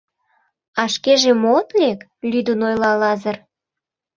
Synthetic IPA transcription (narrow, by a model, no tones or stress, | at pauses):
ɑʃkeʒemot̪lek | lʲyd̪unojlɑlɑzə̆r